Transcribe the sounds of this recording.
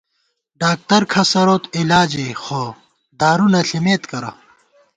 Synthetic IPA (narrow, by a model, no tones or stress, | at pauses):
ɖaːk̚t̪ɐɾkʰɐsɐɾoːt̪ilaːd͡ʑexo | d̪ʱaːɾunɐɬimeːt̪kɐɾɐ̰